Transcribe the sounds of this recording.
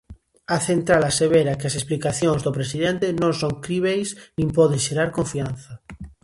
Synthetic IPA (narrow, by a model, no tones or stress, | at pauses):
aθẽnt̪ɾalaseβ̞eɾakeasesplikaθjõŋzðopɾesiðẽnt̪enõŋsõŋkɾiβejsnĩmpɔðeʃeɾaɾkoɱfian̟θa